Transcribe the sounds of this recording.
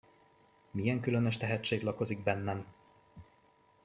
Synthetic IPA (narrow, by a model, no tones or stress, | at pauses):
mijɛŋkylø̞nøʃt̪ɛɦɛtt͡ʃːeːɡlɒko̞ziɡ̚bɛnːɛm